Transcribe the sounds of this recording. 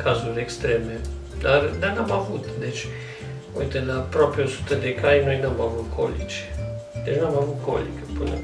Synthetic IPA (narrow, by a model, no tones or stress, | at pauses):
kʰazurʲekst̪ɾeme | d̪ard̪anamavut̪d̪et͡ʃʲ | ojt̪əlaːpɾoapeosu̥t̪əd̪ekʰajno̞jnuamavut̪kʰo̞̰lit͡ʃd̪et͡ʃnamavut̪kʰo̰lḭkəpɨnə̰